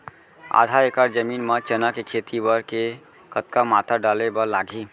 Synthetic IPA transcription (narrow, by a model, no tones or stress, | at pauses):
a̰d̪ʱaekaɾd͡ʒəminmət͡ʃənakekʰet̪ibəɾke | kət̪kamat̪aɖalebəlaɡʱi